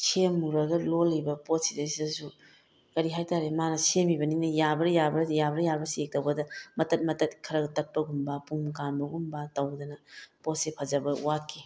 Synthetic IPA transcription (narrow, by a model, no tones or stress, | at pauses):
kʰemːuɾɐɡɐlolibɐpot̚sidɐsidɐsu | kɐɾiɦajtaɾemanɐsemibɐninɐjabɐɾɐjabɐɾjabɐɾɐjabɐsek̚tɐwɡɐdɐmɐtɐt̚mɐtɐt̚kʰɐɾɐɡɐtɐt̚pːɐɡumbapuŋkanbɐɡumbatɐwdɐnɐpot̚sepʰɐzɐbɐwakːi